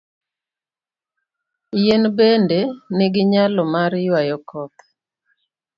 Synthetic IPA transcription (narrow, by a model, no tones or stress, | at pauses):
jenbendeneɡɪɲalɔmaɾjwajɔkɔt̪